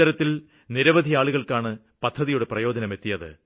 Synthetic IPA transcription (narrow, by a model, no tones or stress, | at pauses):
ɐɾɐt̪ːil | niɾɐʋɐd̪ʱijaːɭuɣɐɭkaːɳɨ | pɐd̪ʱːɐðijuɽe̞prɐjo̞ːd͡ʑɐnɐme̞t̪ːijɐðɨ̰